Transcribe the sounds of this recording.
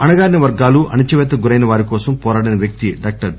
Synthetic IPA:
ɐnɐɡaːɾnɐʋɐɾɡaːluʔɐnit͡ʃɐʋɛːt̪ːɐɡuɾɐjnɐʋaːɾikɔːsɐmpɔːɾaːɽɐnɐʋjɐk̚t̪iɖaːk̚ʈɐɾ

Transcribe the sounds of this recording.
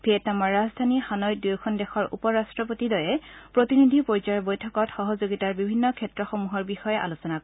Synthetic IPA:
bʰʱetamɔɹːazdʱanixanɔj̚dujkʰɔndɛxɔɹṵpɔɹastɹɔpotidɔjɛpɹotinidʱipoɹizaɹɔbojtʰɔkɔtxɔɦɔzoɡitaɹbibʱinːɔkʰɛtɹɔxɔmuɦɔɹbixɔjɛʔa̰lusɔnak

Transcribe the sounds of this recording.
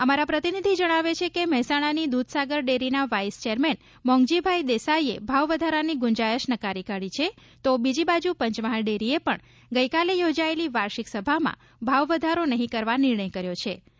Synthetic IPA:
əmaɾapɾət̪inid̪ʱid͡ʒəɽ̃aʋet͡ʃʰekemɛɦsaɽ̃anid̪ud̪ʱsaɡəɾɖeɾinaʋaist͡ʃeɾmen | mɔ̃ŋɡd͡ʒibʱajd̪esaiebʱaʋʋəd̪ʱaɾaniɡʊɲd͡ʒajəʃnəkaɾikaɽit͡ʃʰe | t̪obid͡ʒibad͡ʒupəɲt͡ʃmaɦaɭɖeɾiepəɳ | ɡəjkalejod͡ʒaeliʋaɾʃiksəbʱamã̰ | bʱaʋʋəd̪ʱaɾonəɦĩkəɾʋanɪɾɳəjkəɾjot͡ʃʰe

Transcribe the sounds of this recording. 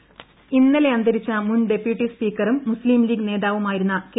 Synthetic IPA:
inːɐleɐnd̪ɐɾit͡ɕːɐmunɖe̞pjuʈːispiːkːɐrumːusliːmliːɡne̞ːðaːʋumaːjiɾunːɐk

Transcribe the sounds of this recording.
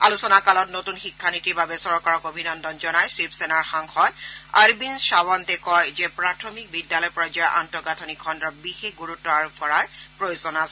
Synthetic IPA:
a̰lusɔnakalɔtnotunxikʰːanitibʱabɛsɔɹɔkɔɹɔkobʱinɔndɔnzɔnajsipsenaɹxaŋxɔta̰ɹbinʃawɔntɛkɔjzɛpɹatʰomik̚bidːalɔjpɹɔd͡ʒɔjɔʔa̰ntɔɡatʰɔnikʰɔndɹɔbixexɡuɹutːaɹpɔɹaɹpɹojozɔnas

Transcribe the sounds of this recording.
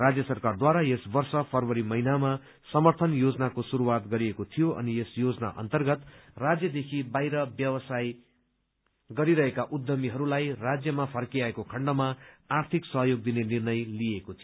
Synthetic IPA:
rad͡zjʌsʌrkard̪waɾajesbʌrsʌpʰʌrwʌɾimʌɦinama | sʌmʌrt̪ʰʌnjod͡zʌnakosuɾuwat̪ɡʌɾiekot̪ʰijoʌ̰niesjod͡zʌna̰ʔʌ̰nt̪ʌrɡʌt̪rad͡zjʌd̪ekʰibajɾʌbjʌwʌsaj | ɡʌɾiɾʌɦekaʔud̪ːʌmiɦʌɾulajrad͡zjʌmapʰʌrkiaekokʰʌɳɖʌmaart̪ʰiksʌɦjoɡ̚d̪inenirnʌjlijekot̪ʰio

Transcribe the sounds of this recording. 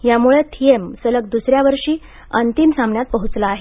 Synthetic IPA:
jamuɭet̪ʰiemsələk̚d̪usɾjaʋəɾʂiː | ənt̪imsamɳjat̪̚pəɦut͡slaːɦe

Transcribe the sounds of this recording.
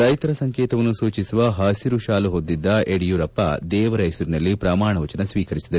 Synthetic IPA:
ɾɐjt̪ɐɾɐsɐŋkeːt̪ɐʋɐnːusuːt͡ʃisuʋɐɦaːsiɾuʃaːluɦod̪ːid̪ːɐʔeɽijuɾɐpːɐ̰d̪ɛːʋɐɾɐjsuɾinɐlːipɾaːmaːɳɐʋɐt͡ʃɐnɐsʋiːkɐɾisid̪ɐɾu

